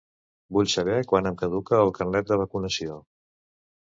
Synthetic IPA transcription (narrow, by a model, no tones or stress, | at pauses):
buʎsəβ̞ɛkwanəmkəðukəːlˠkənlɛt̪̚d̪əβ̞əkunəsio